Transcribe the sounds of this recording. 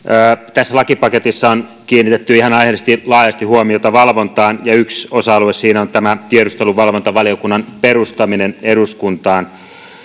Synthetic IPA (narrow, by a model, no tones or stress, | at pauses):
əːt̪æsːælɑkipɑket̪isːɑonkiːnːit̪et̪ːyihɑnɑihesest̪ilɑːjɑst̪ihuomiot̪ɑʋɑlʋont̪ɑːnjɑyksosɑɑluessiːnæont̪æmæt̪iedust̪eluʋʋɑlʋont̪ɑʋɑlijokunːɑnperust̪ɑmineneduskunt̪ɑːn